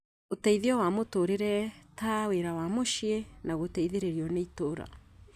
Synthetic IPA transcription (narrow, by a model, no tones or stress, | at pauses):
otɛiðeɔwamotoɾeɾɛtaweɾawamoʃienaɣotɛiðeɾeɾiɔneitoɾa̰